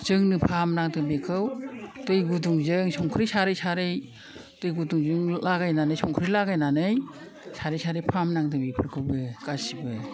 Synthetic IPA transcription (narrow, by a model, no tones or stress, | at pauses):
zɯŋnɯpʰamnaŋtɯbekʰɯwtɯjɡuduŋzɯŋsɔŋkʰɾijsaɾɯjsaɾɯj | tɯjɡuduŋzɯŋlaɡajnanɯjsɔŋkʰɯɾilaɡajnanɯj | saɾɯjsaɾɯjpʰamnaŋtɯbipʰɯɾkʰɯwbɯkasibɯ